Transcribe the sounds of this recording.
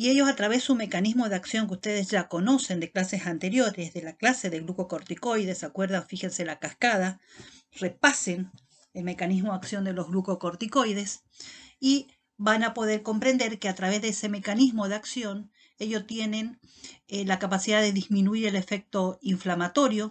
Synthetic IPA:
ieʝo̞sat̪ɾaβesume̞kanizmo̞ðeaksjo̞ŋkeust̪eðezʝako̞no̞se̞nd̪eklase̞sant̪e̞ɾjo̞ɾezðelaklase̞ðeɣɾukokoɾt̪iko̞jðesakwe̞ɾðaŋfixense̞lakaskað̞arepasen | elme̞kanizmoaksjo̞nd̪e̞lo̞zɣlukokoɾt̪iko̞jðes | i | banapo̞ðe̞ɾko̞mpɾe̞nd̪e̞ɾkeat̪ɾaβ̞e̞zðeese̞me̞kanizmo̞ðeaksjo̞n | e̞ʝo̞st̪je̞ne̞n | elakapasiðaðe̞ðizmĩnuiɾe̞le̞fe̞k̚t̪o̞iɱflamat̪o̞ɾjo̞

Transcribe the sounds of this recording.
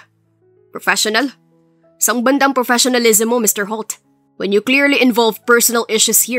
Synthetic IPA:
pɹɔfɛʃɔnɐl | sɐ̃ŋbɐnd̪ɐŋpɹɔfɛʃɔnɐlɪzɛmomɪst̪ɛɹɦɔlt̪ | wɛ̃njukliɹliʔɪ̃nvɔlvpɛɹsɔnɐlʔɪʃushi

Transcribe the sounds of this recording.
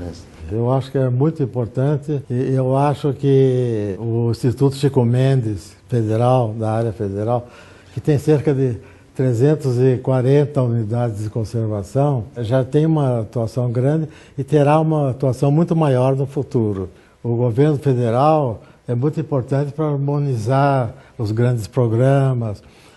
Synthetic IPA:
ḛs | ewaʃʊ̥kɪɛmũj̃t̪ʊĩmpoɾt̪ɐ̃nt̪ɪewaʃʊkɪ | ʊĩst̪it̪ut̪ʊ̥ʃikomẽnd̪ɪs | fed̪eɾawd̪ɐaɾjɐfed̪eɾaw | kɪt̪ẽj̃seɾkɐd̪ɪ | t̪ɾezẽnt̪ʊzɪkwaɾẽnt̪ɐunid̪ad̪ɪzd̪ɪkõseɾvasɐ̃w̃ʒat̪ẽj̃ũmɐat̪uasɐ̃w̃ɡɾɐ̃nd̪ɪ | ɪt̪eɾaũmɐat̪uasɐ̃w̃mũj̃t̪ʊmajɔɾnʊfut̪uɾʊ | ʊɡoveɾnʊfed̪eɾaw | ɛmũj̃t̪ʊĩpoɾt̪ɐ̃nt̪ɪ̥pɾɐaɾmõnizaɾʊzɡɾɐ̃nd̪ɪspɾoɡɾɐ̃mɐs

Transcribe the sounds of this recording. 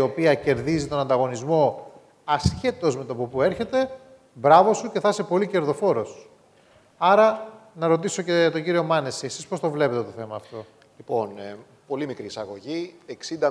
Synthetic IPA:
o̞piɐce̞ɾðizit̪o̞nɐnd̪ɐɣo̞nizmo̞ | ɐsçe̞t̪o̞zme̞t̪opopueɾçe̞t̪e̞ | bɾɐvo̞suce̞θɐse̞po̞lice̞ɾðo̞fo̞ɾo̞s | ɐɾɐnɐɾo̞t̪iso̞cet̪o̞ɲɟiɾio̞mɐne̞siesispo̞st̪o̞vle̞pe̞t̪et̪o̞θe̞mɐːft̪o̞ | lipo̞n | po̞limikɾiːsɐɣo̞ʝieksind̪ɐ

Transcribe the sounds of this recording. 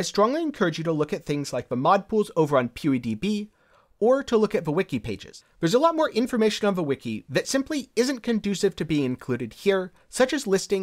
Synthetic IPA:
aɪstɹ̥ɔ̃ŋliɨ̃nkʰɜ˞ɨd͡ʒjɨɾəlʊkɨt̪̚θɪ̃ŋzlaɪk̚ðəmɑd̚pʰulˠzoʊvə˞ə̃npʰj̥ʉidibi | ə˞ɾəlʊkɨt̚ðəwɪkipʰeɪd͡ʒɪ̰z̥ðə˞zəlɔt̚mɔɹʔɪ̃ɱfə˞meɪʃɨ̃nə̃nðəwɪkʰḭðɨtsɪ̃mpliɪzɨ̃nkʰɨ̃ndʉsɨv̥tʰɨbiɪ̃ŋɨ̃nkʰl̥ʉɾɨd̚hiɹ | sʌt͡ʃɨzlɪstɪ̃ŋ

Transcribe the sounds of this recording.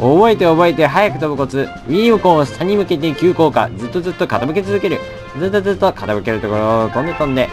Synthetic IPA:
obo̞et̪e̞obo̞e̞t̪e̞ɦajakɯ̟̥t̪obɯ̟ko̞t͡sɨ | iːmɯ̟kõɰ̃sɨ̥t̪ʰaɲ̟imɯ̟ke̞t̪ekʲɨːko̞ːka̰d͡zɨt̪ːo̞zɨt̪ːo̞kat̪abɯ̟ke̞t͡sɨzɨke̞ɾɯ̟ | zɨt̪ːo̞zɨt̪ːo̞kat̪abɯ̟ke̞ɾɯ̟t̪okoɾot̪onekõnd̪e̞

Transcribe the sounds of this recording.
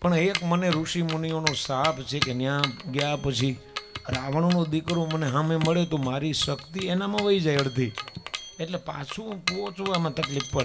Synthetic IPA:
pəɳekməneɾuʃimunijonosapʰt͡ʃʰekenjãɡjapət͡ʃʰi | ɾaʋəɳ̃onõd̪ikɾõməneɦameməɭet̪omaɾiʃəkt̪ienamãʋəid͡ʒajɭt̪ʰi | eʈlepa̰t͡ʃʰũpot͡ʃuʋamãt̪əklippəe

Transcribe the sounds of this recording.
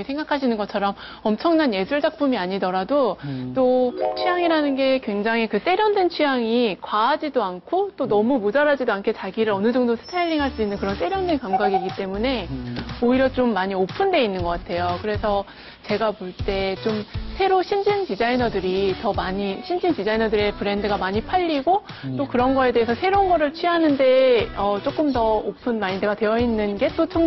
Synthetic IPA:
esʰe̞ŋɡakʰaɕʰinɯnɡʌt͡ɕʰʌɾʌm | ʌmt͡ɕʰʌŋnanje̞sʰuɭd͡ʑak̚p͈umiaɲidʌɾadot͈ot͡ɕʰijaŋiɾanɯnɡe̞kwe̞ŋd͡ʑaŋɦikɯt͈e̞ɾjʌndwent͡ɕʰijaŋikwaːd͡ʑidoankʰot͈onʌmumud͡ʑaɾad͡ʑidoankʰe̞t͡ɕaɡiɾɯɾʌnɯd͡ʑʌŋdosʰɯ̥tʰaiʎːiŋɦaɭs͈uinːɯnkɯɾʌnt͈e̞ɾjʌndwenkamɡaɡiiɡit͈e̞mune̞oiɾjʌt͡ɕ͈omːaɲiopʰɯnde̞inːɯnɡʌk͈atʰe̞jokɯɾe̞sʰʌ | t͡ɕe̞ɡapoɭt͈e̞t͡ɕomsʰe̞ɾoɕʰimd͡ʑintid͡ʑainʌdɯɾitʌmaɲiɕʰimd͡ʑintid͡ʑainʌdɯɾe̞pɯɾe̞ndɯɡamaɲipʰaʎːiɡo | t͈okɯɾʌnɡʌe̞de̞ɦesʰʌsʰe̞ɾonɡʌɾɯɭt͡ɕʰɥiɦanɯnde̞ʌt͡ɕ͈ok͈ɯmtʌopʰɯnmaɲide̞ɡatwe̞jʌinːɯnɡe̞t͈ot͡ɕʰʌŋ

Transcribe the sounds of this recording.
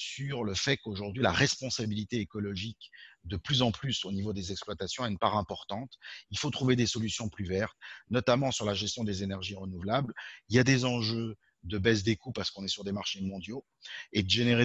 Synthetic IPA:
syʁləfɛkoʒuʁd̪ɥilaʁɛspɔ̃sabilit̪eːkɔlɔʒikd̪əplyzɑ̃plysonivod̪ezɛksplwat̪asjɔ̃ɛynpaʁɛ̃pɔʁt̪ɑ̃t̪ilfot̪χuved̪esɔlysjɔ̃plyvɛʁt̪nɔt̪amɑ̃syʁlaʒɛst̪jɔ̃d̪ezenɛʁʒiʁənuvlabliljad̪ezɑ̃ʒø | d̪əbɛs̬d̪ekupaʁsə̥kɔ̃nɛsyʁd̪emaʁʃemɔ̃d̪jo | ed̪əʒeneʁe

